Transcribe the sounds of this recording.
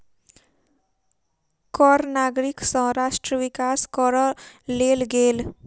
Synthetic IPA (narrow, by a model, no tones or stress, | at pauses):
kɔɾnaɡɾiksʌ̃ɦɾasʈɾəʋikaskʌɾʌlelɡel